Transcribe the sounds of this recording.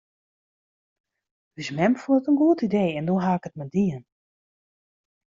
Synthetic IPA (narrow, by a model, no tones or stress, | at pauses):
dɪsmɛmfunətənɡuətideːɛndoɦaːɪkətmɛdiən